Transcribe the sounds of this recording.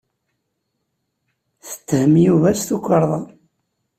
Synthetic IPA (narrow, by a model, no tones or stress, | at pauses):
θə̥t̪ːhəmjuvæst̪ukʷːəɾˤðˤɑ